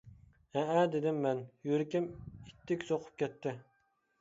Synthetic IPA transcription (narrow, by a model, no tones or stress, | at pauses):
ɛæd̪ed̪ɪmːɛnjyɾɪkʲɪmit̪ʰːɪkʲsoqʰʊ̥p̚kʲɛt̪ʰːɪ